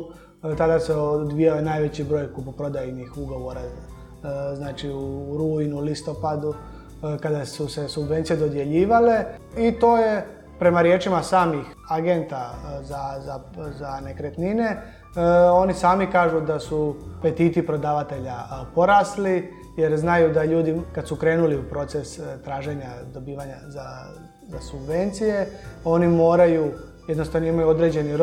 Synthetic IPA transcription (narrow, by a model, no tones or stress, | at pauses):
t̪ad̪aseod̪ʋijaojenaːjʋe̞t͡ɕibɾo̞ːjkupupɾo̞d̪ajinixuɡo̞ʋo̞ɾa | znaːt͡ʃiuɾuːinulist̪o̞pad̪u | kad̪asuse̞subʋent̪sijed̪o̞d̪je̞ʎiːʋale̞ | it̪o̞ːje̞ | pɾe̞maɾje̞ːt͡ʃimasaːmix | aɡe̞nt̪azazazane̞kɾet̪nine̞ | o̞nisaːmikaːʒud̪asupe̞t̪iːt̪ipɾo̞d̪aːʋat̪e̞ʎapo̞ɾasli | je̞ɾznajud̪aʎuːd̪ikad̪sukɾe̞ːnuliupɾo̞t̪sest̪ɾaːʒe̞ɲad̪o̞biːʋaɲaza | zasubʋe̞nt̪sije̞o̞nimo̞ːɾaju | jed̪nost̪aʋnoimajuod̪ɾe̞d͡ʑe̞ni